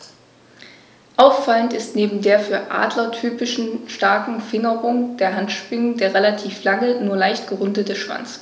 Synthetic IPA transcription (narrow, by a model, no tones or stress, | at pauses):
ʔaʊfːaləntɪstneːbm̩deːɐfyːɐʔa̰ːdlɐtʰyːpɪʃn̩ʃtaɐkŋ̩fɪŋəʁʊŋd̥eːɐɦantʃpɪŋəndeːɐʁelatʰiːflaŋənuːɐlaɪçtɡ̥əʁʊndətəʃv̥a̰nt͡s